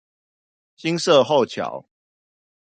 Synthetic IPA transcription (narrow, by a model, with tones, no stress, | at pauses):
ɕi˦ŋsə˥˨ɦo˥˨ʊt͡ɕʰja̰˨˦ʊ